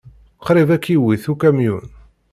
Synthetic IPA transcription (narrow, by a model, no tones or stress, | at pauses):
qɾivækːiwiθukæmjṵn